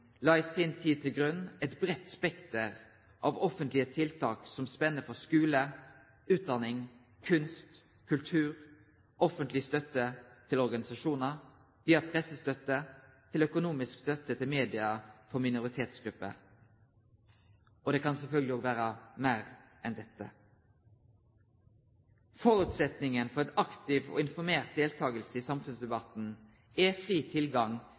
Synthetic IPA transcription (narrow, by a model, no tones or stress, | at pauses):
lɑːɪsɪnt̪ʰiːd̪̚t̪ʰɪlɡɾʉnːɛt̪bɾɛt̪ːspɛkt̪əʁ | ʔɑʋɔfənt̪lɪət̪ʰɪlt̪ʰɑːksɔmspɛnːəfɔʁskʉːlə | ʉːt̪̚d̪ɑnɪŋ | kʰʉnst̪ | kʰʉlt̪ʰʉːʁ | ɔfənt̪lɪst̪œt̪ːət̪ʰɪlɔɾɡɑnɪsɑʂuːnə | ʋiːɑpʰɾɛsːəst̪œt̪ːət̪ʰɪlœkʊnuːmɪskst̪œt̪ːət̪ʰɪlmeːd̪ɪɑfɔmɪnʊʁɪt̪ʰeːt̪sɡɾʉpːə̰ | ɔd̪ɛːkʰɑnsɛlfœlɡəlɪoːɡʋæːʁəmæːʁʔɛnd̪ɛt̪ːə̰ | fɔɾʉːt̪sɛt̪nɪŋənfɔʁɛt̪ɑkt̪ɪʋɔ̰ːɪnfɔɾmeːʁt̪̚d̪eːlt̪ʰɑːɡəlsəisɑmfʉnsd̪ɛbɑt̪n̩ | ɛfʁiːt̪ʰɪlɡɑŋ